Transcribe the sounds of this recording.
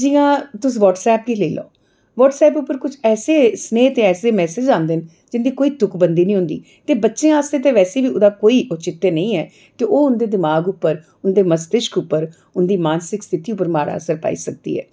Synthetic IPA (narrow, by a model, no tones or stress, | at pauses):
d͡ʒiːãːt̪ʊsĩːʋɔːʈsɛːp̚kiːleːlo̰ː | ʋɔːʈsɛːpʊpːəɾkʊt͡ʃʰɛːseːsneːt̪eːɛːseːmɛːsɪd͡ʒãːnd̪ɪn | d͡ʒɪnd̪iːkoːiːt̪ʊkbənd̪iːnĩːɦʊ̃nd̪ḭː | t̪eːbətːʃẽːaːst̪ẽːt̪eːʋɛːseːʋiːʊd̪aːkoːiːʔʊt͡ʃɪt̪ːeːnəĩːɛː | t̪eːʔoːʊnd̪eːd̪ɪmaːɡʊpːəɾ | ʊnd̪eːməst̪ɪʃkʊpːəɾ | ʊnd̪iːmaːnsɪkst̪ʰɪt̪iːʊpːəɾmaːɾa̰ːəsəɾpa̰ːḭːsək̚d̪ḭːɛ̰ː